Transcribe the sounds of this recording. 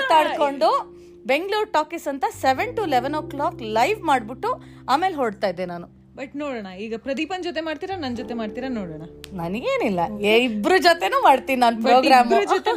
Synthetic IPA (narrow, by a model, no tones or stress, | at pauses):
t̪aːɽkoɳɖu | be̞ŋɡɭuːɾʈaːkisɐnt̪ɐseʋeɳʈuileʋenoːklaːklɐjʋmaːɖbiʈːu | aːme̞ːlɦoːɖt̪aːjid̪ːenaːnu | bɐʈnoːɽɐɳɐiːɡɐpɾɐd̪ipɐnd͡ʒot̪̬emaːɖt̪iːɾɐnɐnd͡ʒot̪emaːɖt̪iːɾɐnoːɽɐɳɐnɐnɐɡeːnilːɐibɾud͡ʒot̪enuːmaːɖt̪iːninaːnpɾoːɡɾaːmut̪